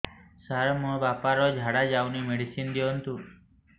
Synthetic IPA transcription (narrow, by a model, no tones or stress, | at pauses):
saɾmũbapaɾɔd͡ʒʱaɽad͡ʒaunimeɽisind̪jont̪u